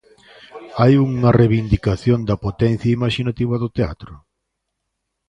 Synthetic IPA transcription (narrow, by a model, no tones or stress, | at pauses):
ajuŋɐreβind̪ikaθjond̪ɐpot̪ɛn̟θjɐimaʃinat̪iβɐðʊt̪ea̰t̪ɾʊ